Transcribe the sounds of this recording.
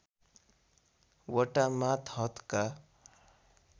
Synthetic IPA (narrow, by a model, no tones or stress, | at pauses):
wɔʈamat̪ʰɦʌt̪ka